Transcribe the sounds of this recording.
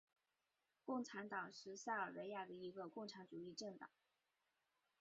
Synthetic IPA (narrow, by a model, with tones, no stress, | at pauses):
kʊ˥˩ŋʈ͡ʂʰa˧˥nt̪ɑ˨˩ŋʂɻ̩˥˧sa˥˩ə˞˨˩we˧˥ɪja˥˩d̪ə˩i˧˥ɡə˧kʊ˥˩ŋʈ͡ʂʰa˧˥nʈ͡ʂu˨˩i˥˧ʈ͡ʂɤ˥˩ŋt̪ɑ̰˨˩˦ŋ